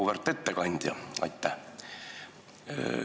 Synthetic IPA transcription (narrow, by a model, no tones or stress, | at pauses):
uʋərt̪ːˑe̞t̪ːekɑnʲd̪̥ʲjɑ̰ɑ̰jt̪ːæh